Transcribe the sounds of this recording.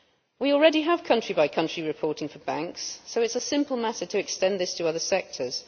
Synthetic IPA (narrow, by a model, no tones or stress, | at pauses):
wiɔlˠɹɛdiəv̥kʰʌ̃nt͡ʃɹ̥ibaɪkʰʌ̃nt͡ʃɹ̥iɹɪpʰɔˑtɪ̃ŋfəbãŋksːoʊɪtsəsɪ̃mpəlˠmatətʰəɛkstɛ̃nðɪstʰəʌðəsɛk̚tʰəz̥